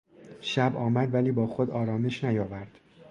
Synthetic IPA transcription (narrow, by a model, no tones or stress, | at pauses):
ʃæbɒːmæd̪væliːbɒːxod̪ɒːɾɒːme̞ʃnæjɒːvæɾd̪̥